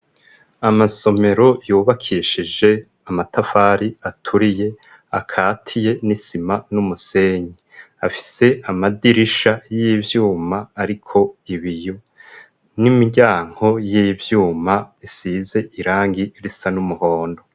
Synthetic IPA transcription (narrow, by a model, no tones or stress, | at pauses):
amaso̞me̞ɾo̞juːβakʰiʃid͡ʒe̞ | amatafaːɾiatʰuɾije̞ | akʰaːtʰije̞nisimanumuse̞ːɲi | afi̥se̞amadiɾiʃajivjuːmaːɾikʰo̞iβiju | nimiɟaːŋ̥ho̞jivjuːmaisize̞ʔiɾaːŋɡiɾisanumuho̞ːndo̞